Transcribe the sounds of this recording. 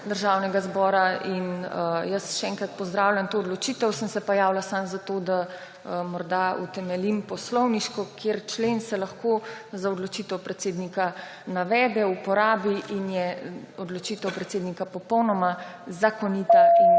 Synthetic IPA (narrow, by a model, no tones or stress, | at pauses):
d̪əɾʒaːwnɛɡazbɔːɾainəjəsʃɛɛŋkɾat̪̚pɔzd̪ɾawlʲjamt̪oɔd̪lɔt͡ʃiːt̪əwsəmsɛpɔjaːwlasamzat̪od̪a | əmɔɾd̪aṵt̪ɛmɛlimpɔslɔwniʃkɔkʰjeɾt͡ʃlensɛlɐxkozaɔd̪lɔt͡ʃit̪ɛwpɾɛt̪seːd̪nika | naʋɛːd̪ɛupɔɾaːbiʔinjɛ | ɔd̪lɔt͡ʃit̪ɛwpɾɛt̪seːd̪nikapɔpɔwnɔmazakɔnit̪ain